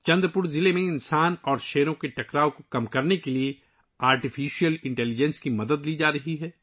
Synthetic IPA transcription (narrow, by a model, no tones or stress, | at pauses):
t͡ʃɐ̃nd̪ɾəpuɾzɪlemẽɪnsaːnɔːɾʃɛːɾõkeʈɐkɾaːõkokɐmkɐɾnekelie | aːɾʈifiːʃijəlɪ̃ɳʈɛːlid͡ʒɛ̃nskimɐd̪əd̪liːd͡ʒaːɾɐɦiɦɛː